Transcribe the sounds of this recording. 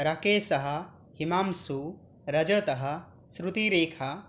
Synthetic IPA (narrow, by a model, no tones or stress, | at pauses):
ɾɐkeːsɐɦɐ̆ | himaːmsuː | ɾɐd͡ʒət̪ɐɦɐ̆ | sɾut̪iɾeːkʰa